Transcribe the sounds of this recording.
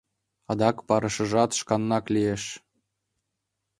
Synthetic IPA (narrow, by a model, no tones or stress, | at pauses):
ɑd̪ɑkpɑɾɤ̆ʃɤ̆ʒɑt̪ʃkɑnːɑklijeʃ